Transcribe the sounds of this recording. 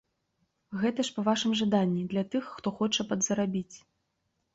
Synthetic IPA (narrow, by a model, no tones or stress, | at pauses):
ɣɛt̪ɐʂpɐvaʂɨmʐad̪anʲːid̪lʲɐt̪ɨxːt̪ɔxɔt͡ʂɐpɐd̪zɐɾabʲit͡sʲ